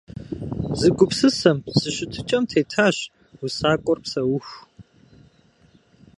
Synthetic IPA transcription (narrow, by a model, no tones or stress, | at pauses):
zɨɡʷʊpsɨsɐmsɨɕɪtʰɨt͡ʃʼɐmtʰeːtʰaːɕ | usaːkʷʼɔrpsɐwʊxʷ